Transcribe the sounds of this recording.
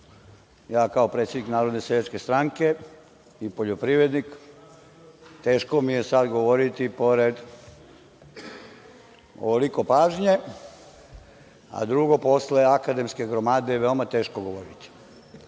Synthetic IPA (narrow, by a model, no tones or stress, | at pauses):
jaːkaopɾet̪sʲjed̪niknaːɾod̪nesed̪et͡ʃke̞st̪ɾaŋke̞ | ipo̞ʎopɾiʋed̪nik | t̪e̞ːʃkomijesad̪ɡo̞ʋo̞ɾit̪ipo̞ɾed̪ | o̰oliko̞paːʒɲe̞ | a̰d̪ɾuɡo̞po̞sleakad̪e̞mske̞ɡɾomaːd̪eʋeomat̪e̞ːʃkoɡo̞ʋoɾit̪i̥